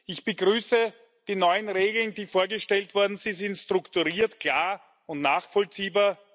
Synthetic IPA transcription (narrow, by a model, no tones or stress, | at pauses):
ʔɪçb̥əɡʁyːsə | d̥iːnɔʏənʁeːɡl̩n̩d̥iːfoːɐɡəʃtɛltv̥ɔɐdn̩z̥ɪinzɪntstʁ̥ʊktuʁiːɐtkʰl̥aːɐ | ʊntnaːχfɔlt͡siːbaː